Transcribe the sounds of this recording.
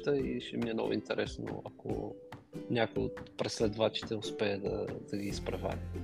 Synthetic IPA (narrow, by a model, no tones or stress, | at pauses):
t̪əiʃɛmiɛno̰vʊ̰int̪ɛɾʔɛsno̰ɐkʰo̰ | nʲakojot̪pɾɛslɛd̪vat͡ʃi̥t̪ɛʊspɛəd̪ɐ̰d̪̥ɐɡiːspɾɐvʲa̰